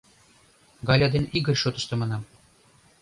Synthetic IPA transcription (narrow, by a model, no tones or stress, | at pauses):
ɡɑlʲɑd̪eniɡɘ̆rʲʃot̪ɤ̆ʃt̪ɤ̆mɤnɑm